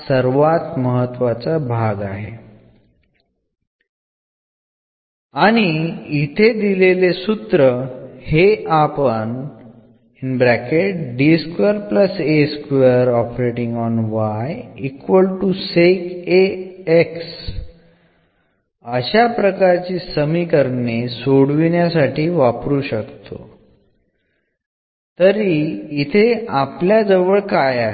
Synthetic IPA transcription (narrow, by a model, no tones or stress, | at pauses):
səɾʋat̪məɦət̪ːʋat͡sabʱaɡaɦḛ | aɽ̃iit̪ʰed̪ilelesut̪ɾəheʔapən | inbɾækeʈɖiskəɾpləseskəɾɔpɾeʈiŋɡɔnʋajikʋəlʈusekeeks | əɕapɾəkaɾt͡ɕiːsəmiːkəɾnesoɽʋiɳjasaʈiːʋapɾuːɕəkt̪o̰ | t̪əɾiːt̪ʰeapljad͡zəʋəɭkajaɦe